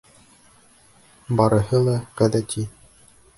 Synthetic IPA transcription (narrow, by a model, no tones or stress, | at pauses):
bɑɾɤ̆ɦɤlˠɑʁæðæt̪ʰi